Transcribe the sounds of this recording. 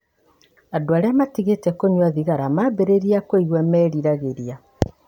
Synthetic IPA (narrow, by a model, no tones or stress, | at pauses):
adoaɾeamatiɣetɛkoɲwaðiɣaɾamabeɾeɾiakwoiɣwɛmɛɾiɾaɣeɾia